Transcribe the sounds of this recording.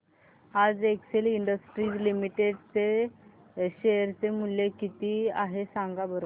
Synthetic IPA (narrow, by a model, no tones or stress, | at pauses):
ad͡zekseliɳɖəsʈɾiːd͡zlimiʈeɖt͡se | ɕeɾt͡semuljekit̪iːaɦesãŋɡabəɾ